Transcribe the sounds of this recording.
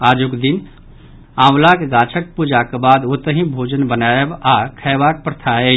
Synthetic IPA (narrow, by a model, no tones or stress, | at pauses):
aːd͡ʒokd̪in | ãːwlakeɡat͡ʃʰək̚pud͡ʒakebaːd̪ot̪əɦĩbʱoːd͡ʒənbənajəbakʰəbak̚pɾət̪ʰaːe